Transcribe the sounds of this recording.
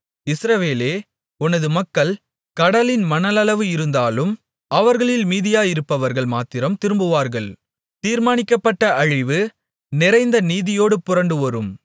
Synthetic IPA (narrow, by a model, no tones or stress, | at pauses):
ɪsɾɐʋeːleː | ʊnɐðɯmɐkːɐɭ | kɐɽɐlɪnmɐnɐlɐlɐʋɯɪɾɯnd̪aːlɯm | ɐʋɐɾɣɐɭɪlmiːðɪjaːjɪɾɯpːɐʋɐɾɣɐɭmaːt̪ɪɾɐmt̪ɪɾɯmbɯʋaːɾɣɐɭ | t̪iːɾmaːnɪkːɐpːɐʈːɐʔɐɻɪʋɯ | nɪɾɐɪnd̪ɐniːðɪjoːɽɯpʊɾɐɳɖɯɔɾɯm